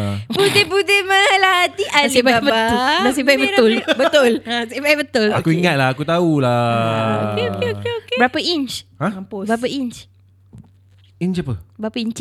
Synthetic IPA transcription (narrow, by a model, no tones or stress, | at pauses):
pudepudɪmalaat̪iʔanababəatʊlas̬abajbət̪ʊlbət̪ʊlasajbajibət̪ʊlakuiŋat̪̚laakut̪aula | ekeokeokebəɾapəint͡ʃhãbəɾap̬əiɲt͡ʃ | iɲt͡ʃapəbəɾapəiɲt͡ʃ